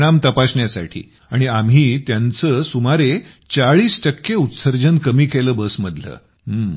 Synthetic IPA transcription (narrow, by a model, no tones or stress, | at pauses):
ɽ̃amt̪əpasɳjasa̰ʈʰḭː | aɽ̃iam̤ɦiːt̪jant͡səsumaɾe | t͡saɭiːsʈəkːeut̪səɾd͡ʑənkəmiːkeləːbəsməd̪lə̰ː | ɦ